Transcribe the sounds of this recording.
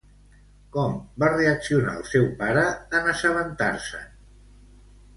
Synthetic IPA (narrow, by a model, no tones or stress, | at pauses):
kɔmbareəksiuna̰əlˠsɛwpaɾəːnəsəβənt̪aɾsə̰